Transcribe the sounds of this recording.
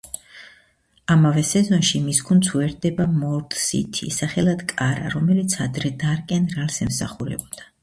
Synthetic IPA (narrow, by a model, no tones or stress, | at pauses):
amavɛsɛzɔnʃimisɡʰunt̪sʰwɛɾd̪ɛbamɔɾt̪sḭt̪ʰḭsaχɛlad̪̥kʼaɾa̰ɾɔmɛlit̪sʰad̪ɾɛd̪aɾkʼɛnɾalsɛmsa̰χuɾɛ̰bɔd̪̥a